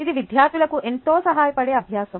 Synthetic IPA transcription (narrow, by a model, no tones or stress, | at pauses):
id̪iʋid̪ʱjaːɾt̪ʰilɐkuʔent̪oːsɐɦaːjɐpɐɽeːɐbʱjaːsɐm